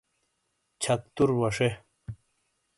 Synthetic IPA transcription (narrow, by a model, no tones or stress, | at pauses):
t͡ɕʰɐk̚t̪uɾwɐʂe